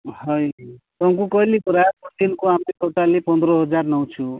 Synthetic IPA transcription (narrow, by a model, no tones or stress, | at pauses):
hʌjt̪ʌŋkukʌilekuɾapuʈinkoamɾet̪oʈalepʌnd̪ɾʌɦʌd͡zarnʌw̃t͡sʰu